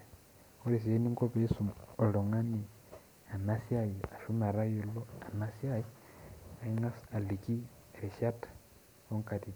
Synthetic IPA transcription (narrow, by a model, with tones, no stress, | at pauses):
o˦ɾi˨s̬i˨je˦ni˦ŋko˦βe˦su˨mo˨lo˨ŋa˦ni˨ | a˨na˦sja˦ji˨a˨ʃu˦ma˨ɾa˦jo˨lo˦a˨na˦sija˦jia˨iŋa˦sa˨li˨ki˦ | eɾi˨ʃa˦tḁ | o˦ŋka˨ti˨